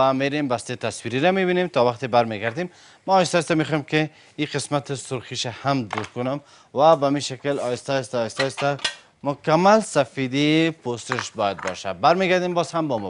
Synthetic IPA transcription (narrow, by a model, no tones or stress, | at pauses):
ameɾembast̪et̪aswiɾiɾameβinemt̪ɔwaqt̪ebaɾmeɡaɾd̪emː | aːjst̪ajst̪amexɔjemkɪ | iqɪsmat̪ɪsʊɾxiʃahamd̪uɾkʊnʊm | wabamiʃakɪlɔjɪst̪ast̪ajɪst̪ast̪a | mʊkamːalsafid̪iposɪʃbɔjad̪̚bɔ̰ʃa̰baɾmeɡaɾd̪embɔzhambɔmɔ